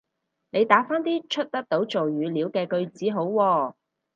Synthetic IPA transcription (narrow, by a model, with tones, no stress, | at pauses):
ne˨˧jt̪aː˨˥faː˥nt̪iː˥t͡ʃʰɵ˥t̚t̪ɐ˥k̚t̪o˨˥wt͡so˨wjyː˨˧liː˨˧wkɛː˧kɵ˧ɥt͡siː˨˥ɦo˨˥wwɔː˧